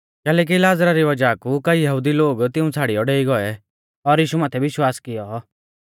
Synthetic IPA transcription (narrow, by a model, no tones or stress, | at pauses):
kɛːlɛːk̬ilaːzɾaɾiʋɐd͡ʒaːkukɐijɐɦud̪iloːɡt̪ɪũt͡sʰaːɽijɔɖeːiɡɔɛ | ɔɾjiːʃumaːt̪ʰɛʋɪʃwaːskɪjɔ